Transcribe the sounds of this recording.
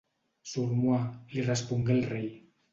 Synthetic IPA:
suɾmwalirespuŋɡelrej

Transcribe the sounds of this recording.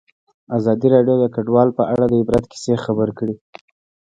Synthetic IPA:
azɑd̪iɾɑɖjod̪əkaɖwɑlpəʔaɽad̪əɪbɾat̪ki̥sexabəɾkɽi

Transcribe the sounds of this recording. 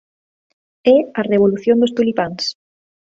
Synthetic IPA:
ɛareβ̞oluθjond̪ost̪ulipans

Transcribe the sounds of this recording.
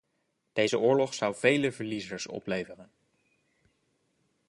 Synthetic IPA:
d̥ejzəʊːɹlɔχsʌwvejləvəɹlizəɹsɔ̰plejvərən

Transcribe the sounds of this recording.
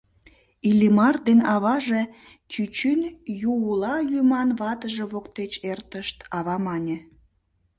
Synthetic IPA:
ilʲimɑrd̪enɑβɑʒe̽ | t͡ɕyt͡ɕynjuulɑlʲymɑnβɑt̪əʒeβokt̪et͡ɕert̪əʃt̪ɑβɑmɑnʲĕ

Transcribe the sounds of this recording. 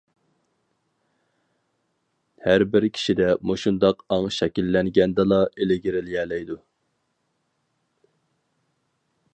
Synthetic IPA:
hæɾbɪɾkʲʰi̥ʃid̪ɛmuʃund̪ɑqɑŋʃɛkʲilːɛŋɡʲɛnd̪ɛlˠɑʔelɪɡʲɪɾɪljɛːlɛjd̪u

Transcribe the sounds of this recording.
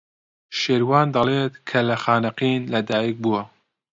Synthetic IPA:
ʃeːɾwɑːnd̪ɐlet̪kʰɐlɐxaːnɨqiːnlɐd̪aːjik̚buwɐ

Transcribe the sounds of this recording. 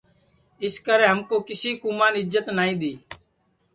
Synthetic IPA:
ɪskəɾẽːɦəmkoːkɪsiːkumaːnɪzət̪naːĩːd̪iː

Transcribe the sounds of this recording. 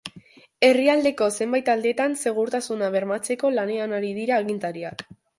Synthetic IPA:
e̞riald̪e̞ko̞se̞mbajt̪ald̪et̪anse̞ɣ̞uɾt̪asunaβe̞ɾmat͡se̞ko̞lane̞anaɾiðiɾaːɣint̪aɾiak

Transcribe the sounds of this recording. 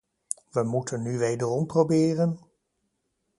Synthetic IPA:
ʋəmutʰənːyʋejdərɔmprowbɪːrən

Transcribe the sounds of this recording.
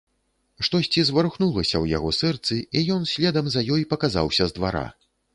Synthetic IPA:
ʂt̪ɔsʲt͡sʲizvɐɾuxnulˠɐsʲɐwja̰ɣɔsɛrt̪sɨijɔnsʲlʲɛd̪ɐmzɐjɔjpɐkaza̰wsʲɐzd̪va̰ɾa̰

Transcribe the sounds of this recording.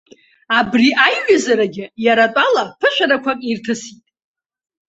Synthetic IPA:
abriʔajɥazaɾaɡʲɪjaɾatʷʼalapʰɨʃʷᶣaɾakʷʰakʼirtʰɨsitʼ

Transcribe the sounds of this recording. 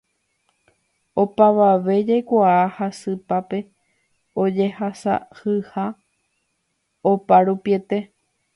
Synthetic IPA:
o̞paʋaʋe̞d͡ʒajkʷaahasɨpape̞ | o̞d͡ʒe̞hasa̰hɨha | opaɾupie̞t̪e̞

